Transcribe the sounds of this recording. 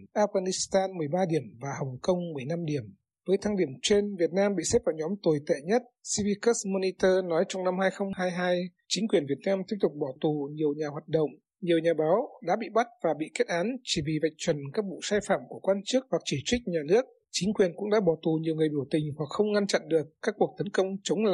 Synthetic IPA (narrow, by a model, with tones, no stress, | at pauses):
ʔaː˧f̚ɣaː˧˩ni˦˥st̪aː˧nmɨ˨˩əjɓaː˧ɗi˧˩əmvaː˨˩hə˨˩wŋ͡mkə˧wŋ͡mmɨ˨˩əjna˧mɗi˧˩əm | vəː˨˦jt̪ʰaː˧ŋɗi˧˩əmt͡ɕe˧nvi˨˩ət̚naː˧mɓḭ˧˨sɛ˦˥p̚vaː˨˩wɲɔ˨˦mt̪o˨˩jt̪ḛ˧˨ɲə˦˥t̚si˧vi˧kə˦˥smo˧ni˧t̪əː˧nɔ˨˦jt͡ɕɔ˧wŋ͡mna˧mhaː˧jxə˧wŋ͡mhaː˧jɦaː˧j | t͡ɕï˨˦ŋ̟kwi˨˩ənvi˨˩ət̚naː˧mt̪i˦˥p̚t̪ʊ˨˩k͡p̚ɓɔ˧˩t̪u˨˩ɲi˨˩əwɲaː˨˩hwaː˨˩t̚ɗə̰˧˨wŋ͡m | ɲi˨˩əwɲaː˨˩ɓaː˨˦wɗa̰ː˧˥ɓḭ˧˨ɓa˦˥t̚vaː˨˩ɓḭ˧˨ke˦˥t̚ʔaː˨˦nt͡ɕi˧˩vḭ˧˨va˨˩jk̟̚t͡ɕwə˨˩nkaː˦˥k̚ɓṵ˧˨saː˧jfa̰ː˧˨mku˧˩əkwaː˧nt͡ɕɨ˦˥ək̚hwa˨˩k̚t͡ɕi˧˩t͡ɕwï˦˥k̚ɲaː˨˩nɨ˦˥ək̚ | t͡ɕi˨˦ŋ̟kwi˨˩ənkʊ̰˧˥ŋ͡mɗa̰ː˧˥ɓɔ˧˩t̪u˨˩ɲi˨˩əwŋɨ˨˩əjɓi˧˩wt̪ï˨˩ŋ̟hwa˨˩k̚xə˧wŋ͡mŋa˧nt͡ɕa̰˧˨nɗɨ˨˩əkːaː˦˥k̚ːu˨˩ək̚t̪ə˨˦nkə˧wŋ͡mt͡ɕə˨˦wŋ͡ml